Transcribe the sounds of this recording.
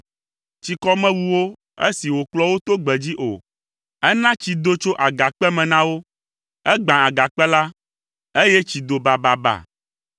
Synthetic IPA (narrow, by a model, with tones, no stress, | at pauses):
t͡ɕi˨kɔ˦mɛ̃˦wu˦wo˦ | e˦si˨wo˨klɔ˦wo˦t̪o˦ɡ͡bɛ˨d͡ʑi˦ʔo̰˨ | ɛ˦nã˦t͡ɕi˨d̪o˦t͡ʃo˦ʔa˨ɡa˨k͡pɛ˦mɛ̃˨nã˦wo˦ | ɛ˦ɡ͡bã˨a˨ɡa˨k͡pɛ˦la˦ | e˦je˦t͡ɕi˨d̪o˨ba˨ba˨ba̰˨